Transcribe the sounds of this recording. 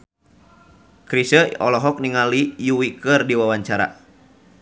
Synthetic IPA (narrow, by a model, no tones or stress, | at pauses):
kɾisəɔ̰lɔɦɔk̚niŋalijuwikərdiwawaɲt͡ʃaɾa̰